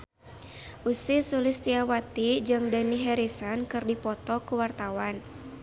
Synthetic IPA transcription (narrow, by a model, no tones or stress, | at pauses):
ʔusisulɪst̪iawat̪id͡ʒɨŋdaniɦɛɾisankɨrdipɔt̪ɔkuwart̪awan